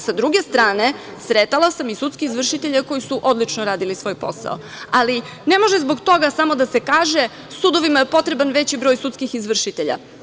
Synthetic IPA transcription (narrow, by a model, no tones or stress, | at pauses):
sad̪ɾuɡe̞st̪ɾaːne̞ | sɾet̪alasamisut̪skiizʋr̩ʃit̪eʎeko̞jisuʔo̞d̪lˠit͡ʃnoɾaːd̪ilisʋo̞ːjpo̞̰sa̰o̰ | ali | ne̞mo̞ʒezbo̞ɡt̪o̞ɡasamo̞d̪asekaːʒe̞ | suːd̪o̞ʋimajepo̞t̪ɾebanʋe̞t͡ɕibɾojsut̪skixizʋr̩ʃit̪eʎa̰